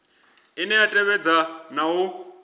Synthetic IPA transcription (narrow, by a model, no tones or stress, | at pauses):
inɛjatʼɛβɛd͡zanau